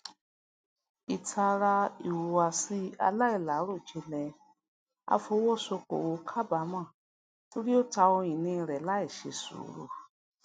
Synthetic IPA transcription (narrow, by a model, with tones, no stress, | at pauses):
i˨tʰa˧ɾa˧i˨wu˨wa˧˨si˧˦a̰˧la˦i˦˨la˨˦ɾo˦˨t͡ʃe˧lɛ˨ | a̰˧fo˧˦wɔ˦˨so˧ko̰˨wo˨˧˦kʰa˦ba˨˦mã˦˨ | to˦ɾi˦o˦˨ta˧o˧ĩ˨nĩ˧ɾɛ˨la˨˦i˦˨ʃe˧˨sṵ˨˦ɾṵ˨